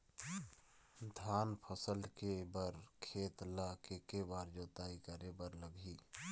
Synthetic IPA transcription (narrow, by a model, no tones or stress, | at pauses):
d̪ʱaːnpʰəsəlkebəɾkʰeːt̪lakekebaːɾd͡ʒoːt̪aːikəɾebəɾləbʱiː